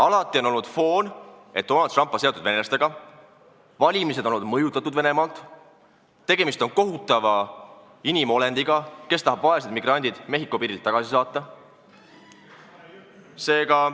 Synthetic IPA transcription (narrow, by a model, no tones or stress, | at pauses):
ɑlɑt̪ːˑio̞no̞lnud̪̥fo̞ːn | e̞t̪̚d̪o̞nɑld̪rɑmpːˑɑset̪ud̪ve̞nelɑst̪e̞ɡɑ | vɑlʲimis̬ed̪̥o̞lːnːud̪mɤjut̪ːˑɑt̪ːud̪ve̞ne̞mɑlt̪ | t̪e̞ɡ̥e̞mist̪o̞nko̞ɦut̪ːˑɑvɑ | inimo̞le̞nd̪iɡɑke̞st̪ɑɦɑbvɑesed̪miɡrɑnʲd̪id̪̥me̞ɦikˑːo̞piːɾilt̪ːɑɡ̥ɑsisɑːt̪ˑːɑ | se̞ːɡ̥ɑ